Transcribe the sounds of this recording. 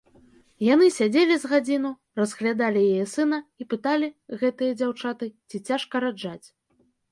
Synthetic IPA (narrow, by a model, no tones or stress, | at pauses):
jan̪ɨsʲad͡zʲelʲizɣad͡zʲinu | rɐzɣlʲad̪alʲijajɛsɨnɐipɨt̪alʲiɣɛt̪ɨjɐd͡zʲawt͡ʂat̪ɨt͡sʲit͡sʲaʂkɐɾad͡ʐat͡sʲ